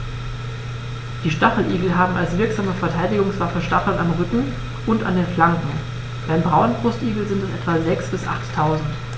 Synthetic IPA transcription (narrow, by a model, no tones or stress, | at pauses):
d̥iːʃtaχl̩ʔḭːɡl̩ɦaːbm̩a̰lsv̥ɪɐkz̥aːməfɛɐtʰaɪdɪɡʊŋsv̥afəʃtaχl̩namʁʏkŋ̩ | ʔʊntʔa̰ndeːnflaŋkŋ̩ | b̥aɪmbʁaʊənbʁʊstʔiːɡl̩zɪntɛsʔɛtv̥azɛksb̥ɪsʔa̰χtʰːaʊzn̩t